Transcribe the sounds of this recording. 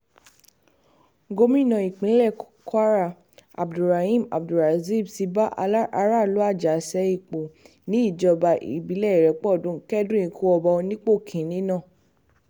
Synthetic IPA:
ɡo˧mĩ˦˨nã˨˧˨i˨k͡pĩ˨˦lɛ˦˨ | ka˦ɾa˦˨ | a̰˨bdu˨ɾa˨hi˦˨ma̰˨bdu˨ɾa˨zi˦˨bti˧ba˦ʔa˧la˦ʔa˧ɾa˦˨lo˨˦a˦˨d͡ʒa˨sɛ˨˦i˦˨k͡po˨ | nĩ˨˦i˦˨d͡ʒɔ˧ba˧ʔḭ˨bi˨˦lɛ˦˨ɾɛ˨˦k͡pɔ˦˨dũ˨˦kɛ˦dũ˦ĩ˧kʰo˧˦ɔ˧ba˧o˧nĩ˦k͡po˦˨kʰĩ˨˦nĩ˦nãː˦˨

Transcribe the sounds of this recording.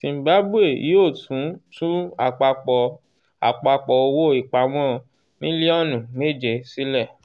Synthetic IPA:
ti˧m̩˦ba˦bu˦e˦˨˦o˦˨tũ˨˦tũ˦a˦˨k͡pa˧k͡pɔ˧ | a̰˨k͡pa˧k͡pɔ˧o˧wo˦˨i˦˨k͡pa˧w̃ɔ̃˦ | mĩ˦li˦ɔ˦nũ˨me˦˨d͡ʒe˧˨si˦lɛ˦˨

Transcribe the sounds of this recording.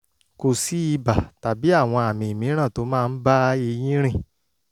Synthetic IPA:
ko˧˨si˦i˧ba˨ta˨bi˨˦a˦˨w̃ɔ̃˧a˨mĩ˧˨i˨mĩ˨˦ɾ̃ã˦˨to˨˦mãː˦˧n̩˦ba˦e˧j̃ĩ˦ɾ̃ĩ˦˨

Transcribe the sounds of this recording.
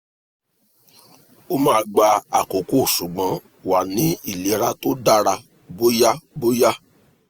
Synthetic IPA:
o˦mãː˦˧ɡ͡ba˧a̰˨ko˨ko˦˨ʃu˨ɡ͡bã˨˦ | wa˨nĩ˨˦i˦˨le˨˦ɾa˦to˦da˦ɾa˧ | bo˦ja˦bo˦ja˦

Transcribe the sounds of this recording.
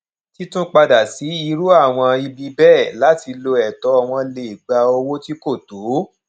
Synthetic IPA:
ti˦tũ˦k͡pa˧da˨si˨˦i˧ɾu˦a˦˨w̃ɔ̃˧i˧bi˧bɛː˦˨la˨˦ti˧lo˧ɛ˨tɔ˨˦ɔ˧w̃ɔ̃˧le˧˨i˨ɡ͡ba˧o˧wo˦ti˦ko˦˨to˨˦

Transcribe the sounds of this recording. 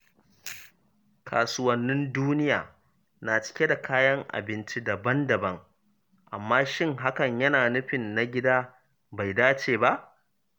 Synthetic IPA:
kʰa̰ː˨sʊ˦wɐ˨nːɪ˦nduː˦nɪ˦ja̰ː˨ | naː˨t͡ʃɪ̥˦kʲe˦da˨kʰaː˦jɐ˦ŋʔa̰˨bɪ˦nt͡ʃi˦da˨bɐ˦ndɐ˨bɐ˦ŋ | ʔa̰˨mːaː˦ʃɪ˦ŋɦa˦kɐ˨ɲjɐ˦naː˨nʊ˦ɸɪ˨nːa˦ɡʲɪ˦daː˦ | ba˨jdaː˦t͡ʃeː˨ba˦ʔ

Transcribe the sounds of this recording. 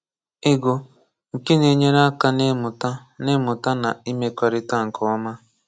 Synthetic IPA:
ɪ˦ɡo˨ | ŋ̩˨ke˦ne˨ɲe˦ɾa˦ka˦ne˦mʊ˨ta˦ | nɪ˦mʊ˨ta˦na˨i˦me˦kʷa˨ɾɪ˦ta˦˨ŋ̩˨kʰɔ˨ɔ˦ma˦

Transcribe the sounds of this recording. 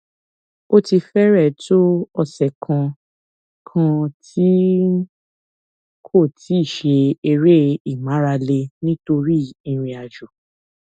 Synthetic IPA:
o˦ti˧fɛ˦ɾɛ˦˨to˦ɔ˧sɛ˨kʰã˧ | kʰã˧tʰi˦ | kʰo˦˨tʰi˨˦i˦˨ʃe˧e˧ɾe˦i˨mã˨˦ɾa˧le˧nĩ˦to˧ɾi˦ĩ˧ɾ̃ĩ˧a˨d͡ʒu˨

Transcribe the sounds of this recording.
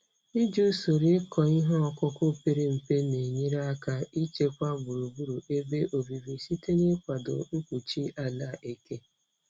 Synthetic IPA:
i˦d͡ʒu˦so˨ɾi˦kɔ˨i˦ɦɔ˦ɔ˨kʊ˦kʊ˦pe˦ɾe˦m̩˨pe˦ne˨ɲi˦ɾa˦ka˦i˦t͡ʃe˦kʷa˦bʊ˨ɾu˨bu˦ɾu˨ʔe˦be˦ʔo˨vi˨vi˨si˦te˦ɲe˦kʷa˨dʊ̰˨ŋ̩˦kʷu˨t͡ʃi˦a˨la˦˨ʔe˨ke˦

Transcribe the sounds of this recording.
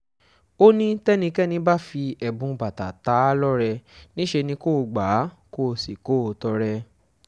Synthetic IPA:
o˦nĩ˦tɛ˦nĩ˧kɛ˦nĩ˧˦ba˦˨fi˧ɛ˧bũ˨˧ba˨ta˨ta˨˦lɔ˦ɾɛ˧nĩ˦ʃe˧nĩ˧˦ko˦˧ɡ͡ba˨˦ | ko˦˧˨si˨ko˦˨˧tɔ˧ɾɛ˧

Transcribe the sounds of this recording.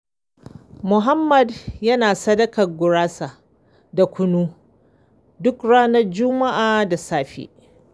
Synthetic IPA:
mʊ˨ɦa˦mːɐ˨djɐ˦naː˨sɐ˦dɐ˦kɐ˨rɡʷʊ˨ɽaː˦sa˨ | da˨kʷʊ˦nuː˦ | dʊ˦kɽaː˦nɐ˦rd͡ʒʊ˦ma˦ʔaː˨da˨saː˦ɸḛː˦

